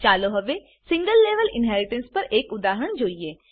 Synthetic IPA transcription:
t͡ʃaːloɦəʋeː | sɪ̃ŋɡəlːeːʋəlɪnɦɛːɾɪʈə̃nspəɾeːkʊd̪aːɦəɳ̃d͡ʒoːieː

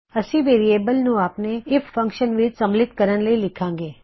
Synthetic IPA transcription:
əsiʋeɾiebəlnũapneɪffə̃ŋkʃənʋid͡ʒsə̃mblɪt̪kəɾənləilɪkʰãŋɡe

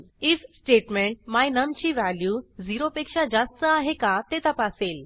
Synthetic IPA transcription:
it͡ssʈeʈmeɳʈ̚majnəmt͡ɕiʋæljuːd͡ziɾopekʂad͡zast̪əaɦekat̪et̪apaseːl

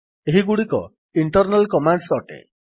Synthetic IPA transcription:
eɦiɡuɽikɔ̰ | iɳʈɔɾnalkɔmaɳɖsɔʈḛ

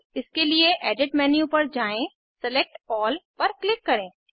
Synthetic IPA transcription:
ɪskelieʔɛːɖɪʈmɛːnjũpɐɾd͡ʒaːẽ | sɛlek̚ʈɔːlpɐɾklɪkːɐɾẽː

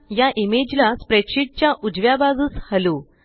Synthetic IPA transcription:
jaʔimed͡ʑlaspɾeʈɕiʈ̚t͡ɕjaʔud͡zʋjabaɡuːshəlu

